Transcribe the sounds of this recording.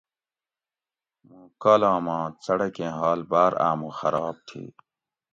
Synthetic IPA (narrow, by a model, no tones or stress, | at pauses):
mũkaːlãːmãːt͡sɐɽɐkẽːɦaːlbaːɾa̰ːmũxɐɾaːb̚t̪ʰḭː